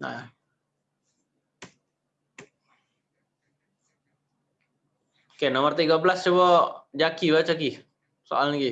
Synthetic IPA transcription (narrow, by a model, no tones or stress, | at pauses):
a̰a | kenɔmərt̪iɡabəlast͡ʃɔbɔd͡ʒakiβat͡ʃaki | so̰alniɡi